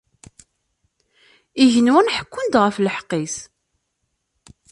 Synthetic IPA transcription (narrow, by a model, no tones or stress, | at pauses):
iʝənwænħə̥kʷːʊnd̪ʁəfləħqːis